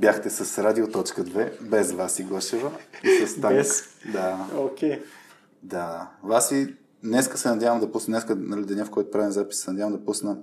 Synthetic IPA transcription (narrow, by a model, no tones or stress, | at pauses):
bʲjaxt̪ɛsɐsɾad̪iot̪ɔt͡ʃkəd̪vɛbɛzvasiɡɔʃɛvəisɐst̪ad̪aokʲe | d̪avasi | nɛskəsɛnɐd̪ʲjavəmd̪ɐpusnnɛskənɐlid̪ɐnʲɛafkʰɔjt̪ʊpɾavinzapissɛnɐdʲjavəmd̪ɐpusnə